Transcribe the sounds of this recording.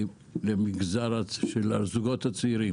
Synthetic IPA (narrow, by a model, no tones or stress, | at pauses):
lemiɡzaɾaʃelazuɡot̪hat͡siɾi